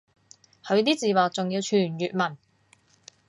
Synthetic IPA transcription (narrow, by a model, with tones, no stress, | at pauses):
hɵ˨˧ɥt̪iː˥t͡siː˨waː˨k̚t͡sʊ˨ŋji˨˧wt͡ʃʰyː˨˩njyː˨t̚mɐ˨˩n